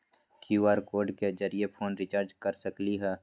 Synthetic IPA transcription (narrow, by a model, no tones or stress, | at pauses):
kjuaːɾkoːɾɖkezəɾijepʰoːnɾɪt͡ʃaːɾd͡ʒkəɾsəkliɦɛː